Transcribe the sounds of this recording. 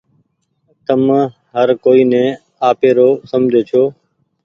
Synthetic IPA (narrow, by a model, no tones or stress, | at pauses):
t̪əm | ɦəɾkoːiːnɛ̃ː | aːpeːɾoːsəmd͡ʒʱeːt͡ʃʰoː